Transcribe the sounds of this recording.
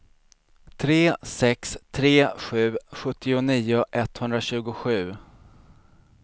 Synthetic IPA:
t̪ʰɾeːsɛkst̪ʰɾeːɧʉ̟ːɧɵt̪ːɪʊniːʊʔɛt̪hɵnd̪ɾaɕʉ̟ːɡʊɧʉ̟ː

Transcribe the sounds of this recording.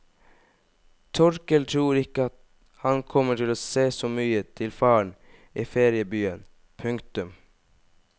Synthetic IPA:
t̪ʰɔɾkəlt̪ʰɾuːɾɪkəɑt̪ | hɑnkʰɔmːəʈʰɪloːseːsoːmyːət̪ʰɪlfɑːɳ | ʔiːfeːɾɪəbyːən | pʰʉŋkt̪ʉm

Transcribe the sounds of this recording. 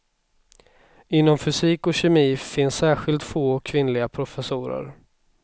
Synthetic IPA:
ɪnːɔmfʏsiːkɔɕɛmiːfɪnsːæːɧɪlt̪foːɔkʰːvɪnlɪɡapʰɾʊfɛsuːɾə̰ɾ

